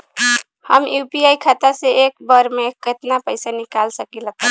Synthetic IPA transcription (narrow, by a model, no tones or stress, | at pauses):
həmjupiajkʰat̪aseek̚bəɾmeket̪napəɪsanikalsəkilət̪